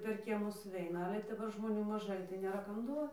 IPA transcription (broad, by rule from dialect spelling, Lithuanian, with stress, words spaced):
pʲɛr ˈkʲiɛmʊs sʊˈʋʲɛɪnɐ ˈɑːlʲɛ dɐˈbɐr ʒmoːˈnʲuː mɐˈʒɐɪ tɐɪ nʲeːˈrɐ ˈkɐm ˈduɔ